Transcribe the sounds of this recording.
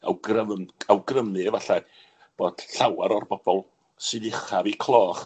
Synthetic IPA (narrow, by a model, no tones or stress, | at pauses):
a̰wɡrəvawɡrəmɨvaɬa | b̥oːd̥ɬawaɾɔrbɔb̥ɔlˠ | sɨdɪχavikʰlˠɔːχ